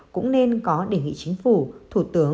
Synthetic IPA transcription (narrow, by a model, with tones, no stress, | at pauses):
kʊ̰˧˥ŋ͡mne˧nkɔ˨˦ɗe˧˩ŋḭ˧˨t͡ɕï˨˦ŋ̟fu˧˩t̪ʰu˧˩t̪ɨ˨˦ə